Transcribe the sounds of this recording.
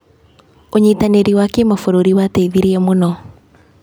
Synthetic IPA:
oɲitaneɾiwakemafoɾoɾiwateiðiɾiɛmonɔ

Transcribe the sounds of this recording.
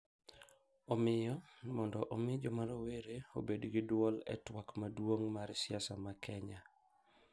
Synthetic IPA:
omɪjɔmɔndɔʔomɪd͡ʒɔmaɾoweɾeobedɡɪdwɔlɛ̰twakmadwoŋmaɾsɪasamakʰɛɲa

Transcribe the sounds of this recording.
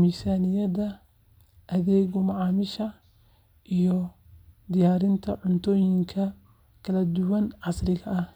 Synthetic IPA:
miːsaːnɪjɐðɐ | ʔɐðɛːɣɔmɑʕɑːmɪʃɐ | ʔijɔ | d̪ɪjaːɾɪnt̪ʰɐʕʊnt̪ʰɔːjɪŋkʰɐ | kʰɐlɐd̪ʊwɐnʕɑsrɪɣɐɐh

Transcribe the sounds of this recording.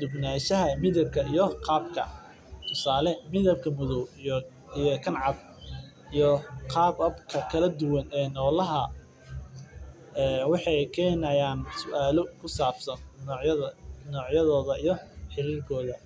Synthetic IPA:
d̪ʊbnaːʃɐɦɐmɪðɐb̚kʰɐijɔqʰɑːbkʰɐ̰ | t̪ʰʊsaːlɛmɪðɐb̚kʰɐmʊðɔw | ijkʰɐnʕɑb | ijɔqʰɑːbɐbkʰɐkʰɐlɐd̪ʊwɐnɛːnɔːlɐɦɐ | ɛːwɑħɑjkʰɛːnɐjaːnsʊʔaːlɔkʰʊsaːbsɐn | nɔːʕjɐðɔːðɐijɔħɪɾiːrkʰɔːðɐ

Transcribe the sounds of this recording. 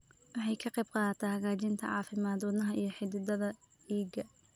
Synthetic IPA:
wɑħɑjkʰɐqɛjbqɑːt̪ʰɐhɐɣaːt͡ʃɪnt̪ʰɐ̰ʕɑːfɪmaːd̪wɑd̪nɐɦɐʔijɞħɪd̪ɪd̪ɐðɐ | diːɡɐ

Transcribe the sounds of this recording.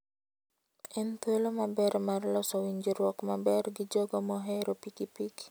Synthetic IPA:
ʔint̪əlɔmabɛɾmarlɔsɔwiɲd͡ʒərwɔkmabɛrɡid͡ʒɔɡɔmɔɦɛɾɔpikipik

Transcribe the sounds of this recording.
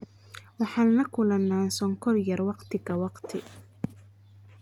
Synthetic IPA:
wɑħɑːnnɐkʰʊlɐnːaːnsɔŋkʰɔrjɐrwɑqt̪ʰɪɣɐwɑqt̪ʰɪ̰

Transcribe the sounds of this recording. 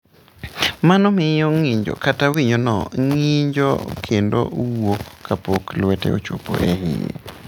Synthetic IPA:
manɔmɪjɔŋiɲd͡ʒo̰katawiɲonɔ̰ŋiɲd͡ʒo̰kʰendo̰ʔwokːapoklwɛtɛ̰o̰t͡ʃopo̰ʔehɪjḛ

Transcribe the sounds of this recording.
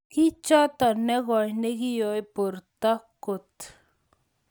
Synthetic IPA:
kit͡ʃat̪aneɣaineɡijoipuɾt̪akut̪

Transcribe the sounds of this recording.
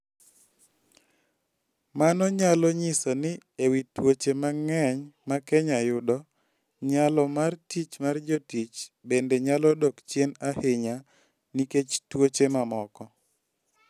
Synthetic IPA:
manɔɲalɔɲɪsɔnɪewitwot͡ʃemaŋɛɲmakɛɲajʊdɔ | ɲalɔmartit͡ʃmard͡ʒɔtit͡ʃbendeɲalɔdɔkt͡ʃjenaheɲa | niket͡ʃtwot͡ʃemamɔkɔ

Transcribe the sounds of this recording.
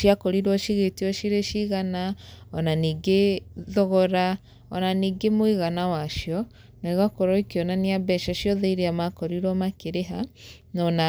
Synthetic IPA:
ʃiakɔɾiɾwɔʃiɣetiɔʃiɾeʃiɣanaɔnaniːɡeðɔɣɔɾa | ɔnaniːɡemwiɣanawaʃjɔ | naiɣakɔɾɔikiɔnaniabɛʃaʃjɔðɛiɾeamakɔɾiɾwɔmakeɾeɦa | nɔna

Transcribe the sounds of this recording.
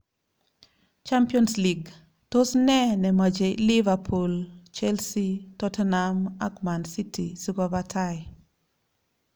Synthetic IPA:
t͡ʃampiɔnsliɡ | tosnɛnɛmad͡ʒelivapʰult͡ʃɛlsitɔtanamakmansitisiɡɔbatʰaj

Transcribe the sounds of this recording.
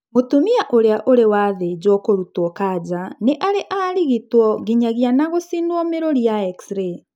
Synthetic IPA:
motumiaʔoɾeaʔoɾewaðed͡ʑwɔkoɾutɔkad͡ʑaneʔaɾeʔaɾiɣitwɔɣiɲaɣianaɣosinwɔmeɾoɾiaɛksɾe

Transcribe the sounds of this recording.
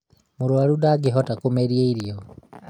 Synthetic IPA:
muɾwaɾudaɡeɦɔtakomeɾieiɾiɔ

